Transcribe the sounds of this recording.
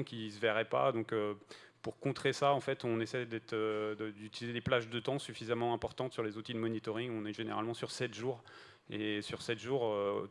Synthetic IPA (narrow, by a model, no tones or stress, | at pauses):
kʲisəvɛʁɛpa̰d̪ɔ̃køpuʁkɔ̃t̪χesaɑ̃fɛt̪ɔ̃nesɛjd̪ɛt̪ød̪əd̪yt̪ilized̪eplaʒd̪ət̪ɑ̃syfizamɑ̃ɛ̃pɔʁt̪ɑ̃t̪syʁlezut̪id̪əmɔnit̪ɔʁiŋɔ̃nɛʒeneʁa̰lmɑ̃syʁsɛt̪ʒuːʁ | esyʁsɛt̪ʒuʁø